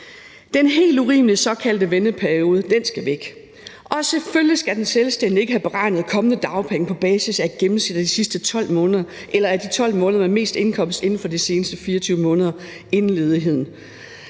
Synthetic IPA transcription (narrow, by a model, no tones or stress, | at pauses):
d̥enɦe̝̰ːlduʁḭːmlisɒ̽kʰæld̥əʋenəpʰæɐio̝ːð̞ˠəd̥ensɡ̥æʋeɡ̥ | ʔɒ̽seføljisɡ̥æd̥enselsd̥en̰d̥ie̝ɡ̥əɦæb̥e̝ʁɑ̈ɪ̰nəð̞̩ˠkʰɒ̽mənəd̥ɑ̈ʊpʰeŋ̩pʰɒ̽b̥ɛːsisæɡ̥emm̩sed̥æd̥isisd̥ət͡sʰɒ̽l̰mɔ̽ːnðˠɐ | ʔelɐæɐd̥it͡sʰɒ̽l̰mɔ̽ːnðˠɐmeme̝̰ːsd̥e̝nkʰɒ̽m̰sd̥e̝n̩fɒ̽d̥ise̝ːnəsd̥əfiːɐt͡sʰyːʊəmɔ̽ːnðˠɐ | e̝nn̩le̝ːð̞ˠiɦe̝ð̰ˠn̩